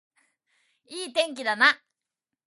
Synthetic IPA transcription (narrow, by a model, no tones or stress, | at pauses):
iːt̪ẽ̞ŋk̬ʲid̪ana